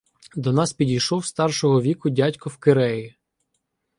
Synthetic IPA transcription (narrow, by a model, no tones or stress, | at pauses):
d̪ɔnɑspʲidʲijʃɔwst̪ɑrʃɔɦɔʋʲikʊdʲatʲkɔwkeɾɛji